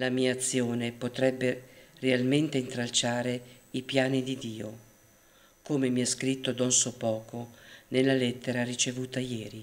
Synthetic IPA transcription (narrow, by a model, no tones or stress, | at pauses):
lamiːaːt̪sːjoːnepot̪ɾɛbːerealment̪eint̪ɾalt͡ʃaːɾeipjaːnid̪id̪iːo | koːmemiaskɾit̪ːod̪ɔnsopɔːkonelːalɛt̪ːeɾarit͡ʃevuːt̪ajɛːɾi